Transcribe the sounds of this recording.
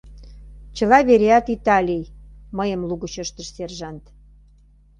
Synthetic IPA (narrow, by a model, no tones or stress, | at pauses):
t͡ɕə̆lɑβeɾeɑt̪it̪ɑlʲijməjəmluɣət͡ɕəʃt̪əʃserʒɑnt̪